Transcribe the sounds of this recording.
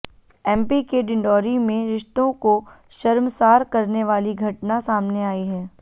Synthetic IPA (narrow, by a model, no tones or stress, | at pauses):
ɛ̃ːmpikeɖɪ̃ɳɖɔːɾimẽɾɪʃt̪õko | ʃɐɾmsaːɾkɐɾneʋaːliɡʱɐʈnasaːmneaːiɦɛː